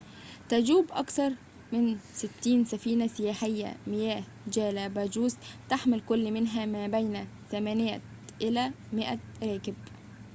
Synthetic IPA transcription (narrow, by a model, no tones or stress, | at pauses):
t̪ad͡ʒuːbʔɑkθɑɾˤ | mɪnsɪt̪ːiːnsafiːnasɪjaːħɪjːa̰mɪjæːh | d͡ʒæːlabæːd͡ʒuːst̪aħmɪlkʊlːmɪnɦæmæːbajnaθamæːnɪja̰ | ʔɪlæː | mɪʔaɾˤɑːkɪb